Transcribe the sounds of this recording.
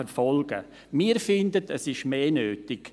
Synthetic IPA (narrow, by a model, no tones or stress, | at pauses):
ɛɾfɔlɡ̥ə | miːɾfɪndətʰəsɪʃmeːnøːtɪk